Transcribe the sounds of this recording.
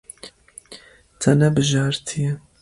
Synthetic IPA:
t̪ʰɐnɛbɨʒɑːɾt̪ʰijɛ

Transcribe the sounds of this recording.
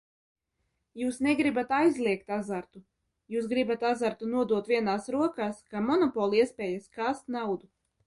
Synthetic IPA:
juːsnɛɡɾibat̪ajzlʲˠiɛkt̪azaɾt̪u | juːsɡɾibat̪azaɾt̪unuɔd̪uɔt̪viɛnaːsɾuɔkaːskamɔnɔpɔlˠiɛspʲɛːjaskaːst̪nawd̪u

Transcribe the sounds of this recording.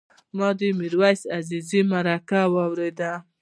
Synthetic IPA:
mɑd̪əmiɾwajsazizimaɾakawɑwɾed̪a

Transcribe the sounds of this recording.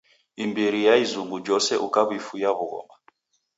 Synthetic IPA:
imbiɾijaizuŋɡud͡ʒɔsɛʔukaβifujaβuɣɔ̰ma

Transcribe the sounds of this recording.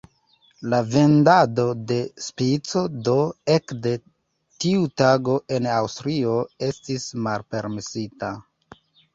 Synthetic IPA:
lave̞ndado̞de̞spit͡so̞do̞e̞kde̞ | tiutaɡo̞ʔe̞nawstɾio̞e̞stismalpe̞ɾmesita

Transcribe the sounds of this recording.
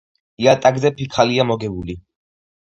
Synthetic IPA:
iat̪ʼaɡzɛpʰikʰaliamɔɡɛbuli

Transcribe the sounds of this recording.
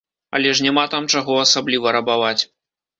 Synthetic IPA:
ɐ̰lʲɛʂnʲamat̪amt͡ʂaɣɔɐsablʲivɐɾɐbavat͡sʲ

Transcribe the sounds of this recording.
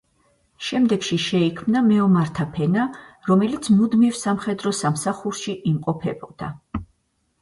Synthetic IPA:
ʃɛmd̪ɛɡʃiʃɛikʰmnamɛɔmaɾt̪ʰapʰɛnaɾɔmɛlit̪sʰmud̪mivsamχɛd̪ɾɔsamsaχuɾʃiʔimqʼɔpʰɛbɔd̪̥a̰

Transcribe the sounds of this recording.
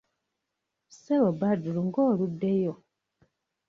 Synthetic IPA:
seβobaduluŋɡoːludːejo

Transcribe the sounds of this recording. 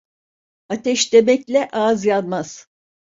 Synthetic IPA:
at̪ʰɛʃd̪e̞mɛclʲɛʔazjanmaz̥

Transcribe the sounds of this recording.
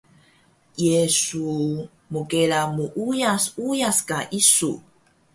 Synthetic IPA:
jesu | mukeɭamuʔujasujaskaʔisṵ

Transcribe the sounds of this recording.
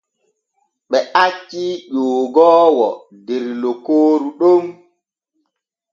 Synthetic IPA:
ɓɛʔat͡ʃːiʄoːɡɔːwɔ | dɛɾlokoːɾuɗom

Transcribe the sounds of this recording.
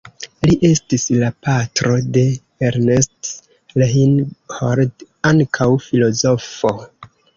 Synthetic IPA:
liʔe̞stislapatɾo̞de̞ | eɾnest | leɦinhoɾd | aŋkʰawfilo̞zo̞fo̞

